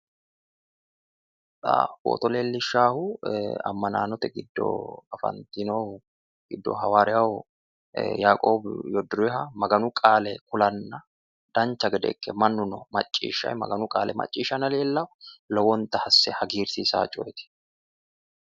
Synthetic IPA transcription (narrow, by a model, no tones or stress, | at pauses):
ᶑa̰bo̰ːt̪ɔleːlːɪʃːaːhʊɐ̰mːɐnaːnɔt̪ɛɡɪd̪ːo̰ɐfɐ̰nt̪inoː | ɡ̥ɪd̪ːo̰ɦɐwaːɾɛɐwʊ | jaːkʼoːbjɔd̪ʊɾɪɦɐmɐɡɐnʊkʼaːlɛkʊlɐnːɐ | d̪̥ɐnt͡ʃːɐɡɛd̪ɛ̰kːɛmɐnːʊnɔmɐ̰t͡ʃʼːḭːʃːɐ̰jmɐ̰ɡɐnʊkʼaːlɛmɐ̰t͡ʃʼːiːʃɐnɐleːlːɐlɔwɔnt̪ɐhɐsːɛhɐɡiːɾsiːsa̰ːt͡ʃʼʊjɛt̪ɪ̥